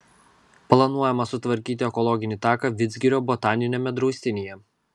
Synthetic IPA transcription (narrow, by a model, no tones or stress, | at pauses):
plˠɐnuɔjɛmɐsʊt̪ʋɐɾʲkʲiːt̪ʲɪɛkɔlˠɔɡʲɪnʲit̪ɑːkɐʋʲɪd̪zʲɡʲɪɾʲoːbɔt̪ɑːnʲɪnʲemʲɛd̪ɾɔʊsʲt̪ʲɪnʲijɛ